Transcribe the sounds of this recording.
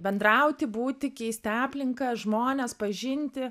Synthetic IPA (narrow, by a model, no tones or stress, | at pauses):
bʲɛnd̪ɾɐʊt̪ʲɪbuːt̪ʲɪkʲɛɪsʲt̪ʲɑːpʲlʲɪŋkɐʒmoːnʲɛspɐʒʲɪnʲt̪ʲɪ